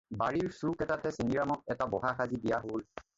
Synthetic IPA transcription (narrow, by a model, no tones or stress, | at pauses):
baɹiɹsukɛtatɛseniɹamɔt̚ɛtabɔɦaxazibijaɦol